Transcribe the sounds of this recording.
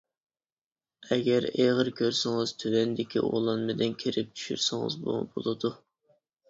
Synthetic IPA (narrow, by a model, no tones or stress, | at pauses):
ɛɡʲɛɾeʁəɾkʲʰøɾsɪŋɨz̥t̪ʰywɛnd̪ɪkʲʰḭʔo̰lˠɑnmɪd̪ɪnkʲʰeɾɪp̚t͡ʃ̪ʰy̥ʃy̰ɾsɪŋɨ̰zbo̰bo̰lˠɨd̪u